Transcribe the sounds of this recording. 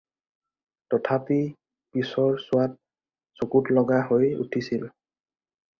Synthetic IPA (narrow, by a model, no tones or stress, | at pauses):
tɔtʰapi | pisɔɹsʊwat̚ | sokutlɔɡahojṵtʰisil